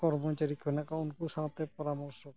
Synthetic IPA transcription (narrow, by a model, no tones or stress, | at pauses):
kɔɾmot͡ʃaɾikʰɔnakaunkuʃãt̪epɔɾamɔɾʃɔk